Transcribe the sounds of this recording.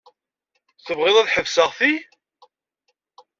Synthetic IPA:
θəvʁɪðˤæðħəvsəʁθi

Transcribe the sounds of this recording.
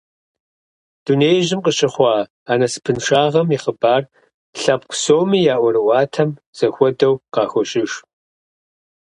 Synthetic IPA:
d̥uneːjʑɪmqəɕɪχʷɑː | aːnɐsɨ̥pʰɨnʂaːʁɐmiχəbaːr | ɬɐp̚kʷʰʼʊsowmiːjaːʔʷɔɾɨwɑːtʰɐm | z̥ɐxʷɔdɐwqɑːxʷɔɕʼɪʂ

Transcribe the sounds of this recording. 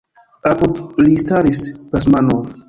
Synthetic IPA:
apud̪list̪aɾispas̬manov

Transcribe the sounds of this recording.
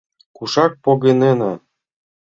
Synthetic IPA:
kuʃɑk̚poɣenenɑ

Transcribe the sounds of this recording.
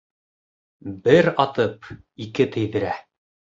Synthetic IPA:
bɘɾɑt̪ɤp | ikɘt̪ɘ̆jðɘ̆ɾæ

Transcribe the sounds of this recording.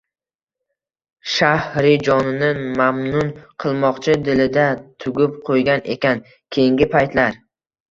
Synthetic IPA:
ʃahɾɪd͡ʒɒnɪnɪmamnʊnqʰɨlˠmɒqt͡ʃʰɪd̪ɪlɪd̪at̪ʰʊɡʲɪp̚qʰojɡʲanʔe̞̰kʲʰan | kʲʰe̞jɪŋɡʲɪpʰajt̪ʰlaɾ

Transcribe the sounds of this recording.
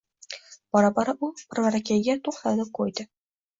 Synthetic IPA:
b̥ɒɾabɒɾaʔʊpɪɾvaɾakʲʰajɡʲat̪ʰoχt̪ald̪ɪkʰojd̪ɪ

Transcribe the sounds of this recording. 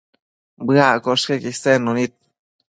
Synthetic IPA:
bɨakoʂkekisenonit̪̚

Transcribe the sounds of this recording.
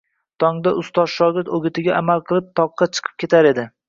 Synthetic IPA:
t̪ʰɒŋd̪aʔʊst̪ɒzʃɒɡʲɪɾt̪oɡʲɪt̪ʰɪɡʲaʔamalˠqʰɨlˠɪp̚t̪ʰɒqːɑt͡ʃʰɨ̥qʰɨ̥p̚kʰʲe̞t̪ʰaɾe̞d̪ɪ

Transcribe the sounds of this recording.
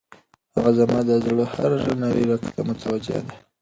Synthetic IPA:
haɣazamad̪azaloha̰ɾaʒanaɾḭɾakt̪amʊt̪ʰawad͡ʒḛa̰d̪a

